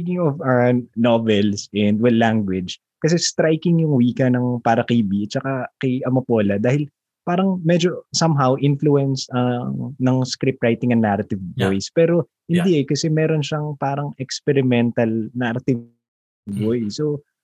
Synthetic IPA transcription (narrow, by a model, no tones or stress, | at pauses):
kɪŋɔfanovɛlsʔɛnd̪̚wɛllːaŋɡwɪd͡ʒ | kɐs̬ɛst̪ɾajkɪŋjʊŋwiːkɐnɐŋpaːɾɐkɐjbit͡ʃɐkakejʔɐmɐpoːlɐd̪aːhɪl | paːɾɐŋmɛd͡ʒo̞sɐmɦawʔɪnfluɛnsɐnɐŋskɾɪp̚ɹajt̪ɪŋɐŋnaɾɐt̪ɪvbojspɛːɾo̞ | hɪnd̪iʔɛkɐsɛmɛːɾonʃɐŋpaːɾɐŋɛkspɛɾɪmɛnt̪ɐlnaɾɐt̪ɪ | bojso